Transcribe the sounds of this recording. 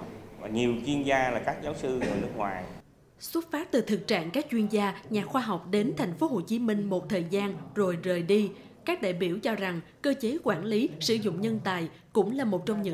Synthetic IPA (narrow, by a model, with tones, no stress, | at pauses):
vaː˨˩ɲi˨˩əwt͡ɕwi˧ənzaː˧laː˨˩kaː˦˥k̚zaː˨˦wsɨ˧ə˨˩nɨ˦˥ək̚ŋwa̰ː˨˩j | swə˦˥t̚faː˦˥t̚t̪ɨ˨˩t̪ʰɨ˨˩k̚t͡ɕa̰ː˧˨ŋkaː˦˥k̚t͡ɕwi˧ənzaː˧ɲaː˨˩xwaː˧ɦa˨˩wk͡p̚ɗe˨˦nt̪ʰɛ˨˩jŋ̟fo˨˦ɦo˨˩t͡ɕi˨˦mï˧ŋ̟mo˨˩t̚t̪ʰəː˨˩jzaː˧nzo˨˩jzəː˨˩jɗi˧ | kaː˦˥k̚ɗa̰ː˧˨jɓi˧˩əwt͡ɕɔ˧za˨˩ŋkəː˧t͡ɕe˨˦kwaː˧˩nli˨˦sɨ̰˧˩˨zʊ̰˧˨ŋ͡mɲə˧nt̪aː˨˩j | kʊ̰˧˥ŋ͡mlaː˨˩mo˨˩t̚t͡ɕɔ˧ŋ͡mɲɨ̰˧˥